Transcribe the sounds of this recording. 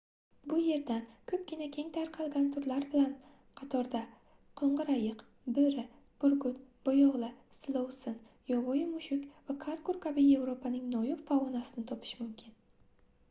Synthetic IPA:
bʊje̞ɾd̪ankʰɵp̚ɡʲɪnakʲʰe̞ŋt̪ʰaɾqʰɑlˠɡʲant̪ʰʊɾlaɾbɪlan | qʰɑt̪ʰɒɾd̪a | qʰoɴʁɨɾajɪq | bɵɾɪ | b̥ʊɾɡʊt̪b̥ojɒʁlˠɪ | slˠowsɪn | jɒvojɪmʊʃʊkʲvakʰaɾkʊɾkʰabije̞vɾopʰanɪŋnɒjʊpfavɒnasɪnɪt̪ʰɒpʰɪ̥ʃmʊmkʲʰɪn

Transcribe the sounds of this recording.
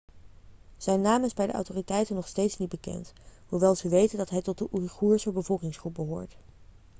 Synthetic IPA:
z̥ɛjnːaːmɪzbɛjdə̰ʔɑ̰wtoːritɛjtənːɔχstejtsnit̚bəkɛ̰ntɦuʋɛlˠz̥əʋejtəndɑtɦɛjtɔt̚dəʔuriχuːɹsəbəvɔlˠkɪŋsχrup̚bəɦoːɹt

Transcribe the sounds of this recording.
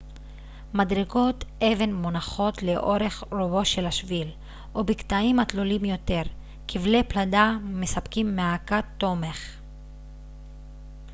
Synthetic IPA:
madʁeɡo̞tʔe̞ve̞nmonaχo̞tle̞ʔo̞ʁe̞χʁobo̞ʃe̞laʃvil | ʔobiktaimat̪lolimjo̞te̞ʁ | kʰivlepladamesapkimːeakat̪ːo̞meχ

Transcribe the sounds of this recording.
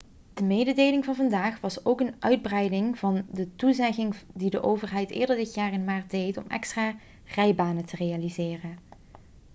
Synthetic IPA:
d̥əmejdədeːjlɪŋvɑnvɑndaːχʋɑsowkənʔœɥd̚brɛjdɪŋv̥ɑndətuzɛɣɪŋdidəʔowvərɦɛjtɪ̰ːɹdəɹdɪtjaːrɪnmaːɹt̚dejtɔ̰mɛ̰kstraː | rɛjbaːnətərejalizɪːrən

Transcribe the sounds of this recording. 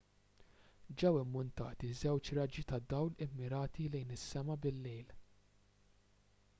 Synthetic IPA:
d͡ʒɛwɪmːʊnt̪ɐ̰ːt̪izɛwt͡ʃɾɐd͡ʒit̪ɐd̪ːɐwlɪmːɪɾɐːt̪ilɛjnɪsːɛmɐbɪlːɛːl

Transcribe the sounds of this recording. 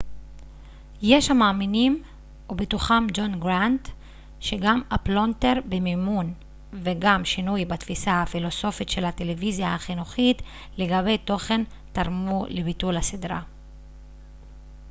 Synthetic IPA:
jeʃhamaːminim | obetuχamd͡ʒo̞nɡʁant | ʃe̞ɡamaplo̞nte̞ʁbemimun | veɡamʃinujbat̪fisahafilo̞so̞fitʃe̞late̞levizjahaχinuχit | le̞ɡaβe̞jto̞χe̞n | taʁmulebitulhasidʁa

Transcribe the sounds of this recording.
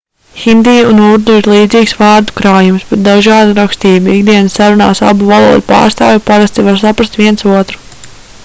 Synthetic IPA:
xind̪ijunuɾd̪uiɾlˠiːd̪ziːksvaːɾd̪ukɾaːjumsbɛt̪̚d̪aʒɑːd̪uɾɔkst̪iːbuiɡd̪iɛnsaɾuna̰ːsa̰buvalˠuɔd̪upa̰ːɾst̪aːjʲɛpaɾast̪ivaɾsapɾast̪ʋiɛnsuɔt̪ɾu̥

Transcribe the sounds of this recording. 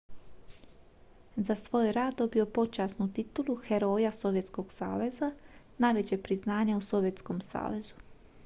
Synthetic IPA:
zasʋo̞ːjɾaːd̪d̪o̞bio̞po̞t͡ʃaːsnut̪it̪ulˠuxe̞ɾo̞ːjaso̞ʋje̞t̪sko̞ɡ̥sa̰ːʋe̞za | najʋe̞t͡ɕepɾiznaːɲauso̞ʋje̞t̪sko̞msa̰ːʋe̞zu

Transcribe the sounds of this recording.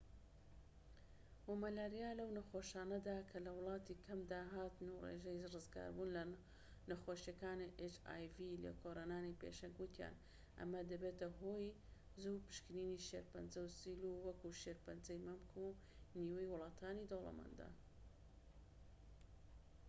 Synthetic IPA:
womɐlaːɾijaːlɐwnɐxoːʃaːnɐd̪aːkʰɐlɐwlˠɑːt̪ikʰɐmd̪aːɦaːt̪nurḛʒɐjrɨzɡa̰ːɾbunlɐ | nɐxoːʃjɐkaːniʔet͡ʃa̰ːjvilɐ̰kʰoɾanaːnipḛʃɐŋɡwut̪ʰja̰ːn | ʔɐ̰mɐd̪ɐbet̪ɐɦoːj | zupɨ̥ʃkɨniːniʃeɾpɐnzɐwsiːluwɐkuʃeɾpɐnzɐjmɐmkʰu | niːwejwʊlˠɑːt̪ʰaːnid̪owlɐ̰mɐ̰nd̪a̰

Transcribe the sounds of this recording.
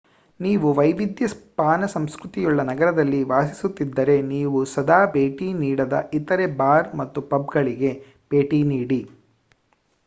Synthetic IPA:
niːʋuʋɐjʋid̪jɐspaːnɐsɐmskɾut̪ijɔɭːɐnɐɡɐɾɐd̪ɐlːiʋaːsi̥sut̪ːid̪ːɐɾe̞niːʋusɐd̪aːbe̞ːʈiniːɽɐd̪ɐ̰ʔit̪ɐɾe̞baːɾmɐt̪ːupɐb̚ɡɐɭiɡe̞ | b̥e̞ːʈiniːɽi

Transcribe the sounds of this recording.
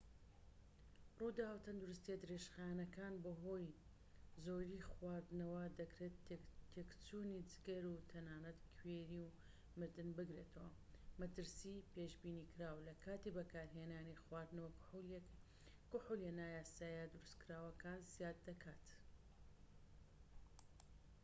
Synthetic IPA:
ruːd̪aːwt̪ʰɐnd̪uɾʊst̪ied̪ɨɾeʃxanɐkaːnbɐɦo̞j | zoːɾiːxwaːɾd̪ɨnɐwɐd̪ɐkɾeːt̪t̪ʰːekt͡suːnid͡ʒɨɡɐɾut̪ʰɐnaːnɐt̪kʰweɾiw | mɨɾd̪ɨnbɨɡɾe̞ːt̪ʰɐwɐmɐt̪ɨɾsipeʃbiːniːkʰɨɾaːwlɐkʰaːt̪ibɐkaːɾɦeːnaːnixwaːɾd̪nɐwɐ | kʊħuljenaːjaːsaːjad̪ʊɾɨskɾaːwɐkaːnzijaːt̪̚d̪ɐkʰaːt̪

